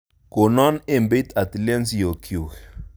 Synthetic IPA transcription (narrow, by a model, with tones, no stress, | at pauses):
ko˨nɔ˦ne˦mbe˦t̪a˨t̪i˨lɛ˦nsjo˨kʰju˨kɛ̥˨